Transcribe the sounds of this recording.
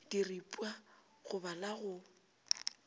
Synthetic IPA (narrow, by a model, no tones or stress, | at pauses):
d̥iripʼwa | ɣʊbalaɣʊ